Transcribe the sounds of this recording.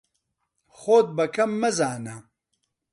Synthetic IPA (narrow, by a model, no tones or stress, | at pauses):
xoːd̪̚bɐkʰɐmːɐzaːnɐ